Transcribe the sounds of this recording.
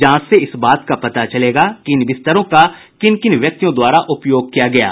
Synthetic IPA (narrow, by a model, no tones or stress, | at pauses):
d͡ʒɐãːseɪsbaːt̪kapɐt̪at͡ʃɐleːɡakiɪnʋɪst̪əɾõka | kɪnkɪnʋjɐk̚t̪ijõd̪waːɾaʔʊpjoːɡ̚kijaɡɐja̰ː